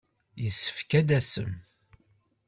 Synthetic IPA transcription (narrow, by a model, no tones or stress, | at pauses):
jəsːə̥fkæd̪æsə̰m